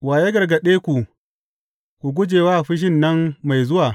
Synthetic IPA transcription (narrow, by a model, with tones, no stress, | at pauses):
waː˨je˦ɡɐ˨rɡɐ˨ɗeː˦kʷu˨ | kʷu˨ɡʷʊ˦d͡ʒeː˨waː˦ʔɸɪ˦ʃ̬ɪ˦nːɐ˦mma˨jzʊ˦waː˨